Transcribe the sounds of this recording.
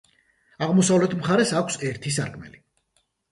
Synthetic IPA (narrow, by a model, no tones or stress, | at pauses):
aʁmɔsavlɛt̪ʰmχaɾɛsakʷʰsɛɾt̪ʰis̬aɾkʰmɛ̰li